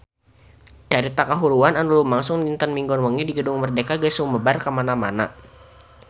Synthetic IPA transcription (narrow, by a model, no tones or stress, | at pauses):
t͡ʃaɾit̪akaɦuɾuananulumaŋsʊŋdint̪ənmiŋɡɔnwəŋidiɡədʊŋmərdekaɡəsuŋməbarkəmanamana̰